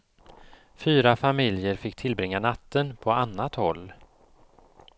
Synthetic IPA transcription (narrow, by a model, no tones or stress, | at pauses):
fyːɾafamɪljəɾfɪkːt̪ʰɪlbɾɪŋːanat̪ːənpʰɔanːat̪hɔlː